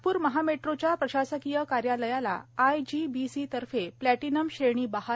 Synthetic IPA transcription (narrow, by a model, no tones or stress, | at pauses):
puːɾməɦameʈɾot͡ɕjapɾəɕasəkijəkaɾjaləjala̰ːjd͡ʑibisit̪əɾfeplæʈinəmɕeɳ̃iːbaha